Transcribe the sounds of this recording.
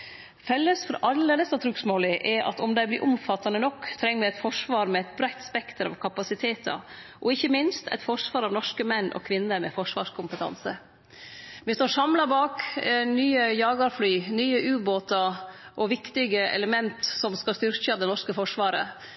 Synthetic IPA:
fɛlːəsfɔɾɑlːəleːləsɑt̪ʰɾʉːksmoːlɪʔɛʔɑ̰t̪ɔmd̪æɪblɪ̰ːʔʊmfɑt̪ːɑnənɔkːt̪ʰɾɛŋːəʋɛæɪt̪fɔʂʋɑːɾmɛɛɪt̪̚bɾæɪt̪spɛkt̪əɾɑ̰ʋkʰɑpɑsɪt̪ʰeːt̪ʰɑ̰ | ʔɔɪçːəmɪnst̪ʰæ̰ɪt̪fɔʂʋɑːɾɑʋnɔʂkəmɛnːʔɔ̰kʰʋɪnːəmɛ̰fɔʂʋɑ̰ːʂkʰʊmpət̪ʰɑ̰nsə | ʋɪst̪oːʂɑmlɑbɑːknyːəjɑːɡɑɾflyːnyːəʔʉːboːt̪ɑʔɔʋɪkt̪ɪɡəɛ̰ləmɛnt̪sɔmskɑst̪ʏɾçəɑʋd̪ɛnɔʂkəfɔʂʋɑːɾə̰

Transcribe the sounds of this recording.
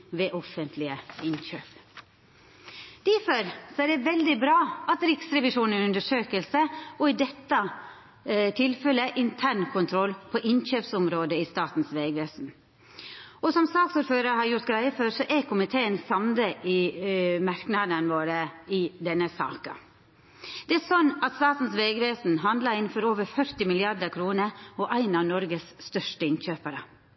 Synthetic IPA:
ʋɛːʔɔfənt̪ʰlɪəɪnçøːp | d̪̥æɾfɔɾsɔæɖɛʋɛld̪ɪbɾɑːʔɑt̪ɾɪksɾɛʋɪʂuːnənʉnd̪əʂøːkəlsəɔɪd̪ɛt̪ːə | t̪ʰɪlfɛləʔɪnt̪ʰæɳkʰʊnt̪ʰɾɔlpʰɔʔɪnçøːpsʊmɾoːd̪əɪst̪ɑːt̪n̩sʋeːɡʋeːsn̩ | ɔsɔmsɑːksuːɾføːɾəɾhɑɾjʊɾt̪ɡɾæɪəføːɾsɔʔɛkʰʊmɪt̪ʰeːənsɑmd̪əʔɪmɑɾknɑd̪ənʋoːɾəɪd̪ɛnːəsɑ̰ːkɑ | d̪̥ɛæɾsɔnːɑt̪st̪ɑːt̪n̩sʋeːɡʋeːsn̩ɦɑnd̪lɑɾɪnn̩fɔɾoːʋəɾfœɾt̪ɪmɪlɪɑɾd̪əɾkʰɾuːnəɾɔʔæɪnɑʋnɔɾɡəsst̪œʂʈəɪnçøːpəɾə

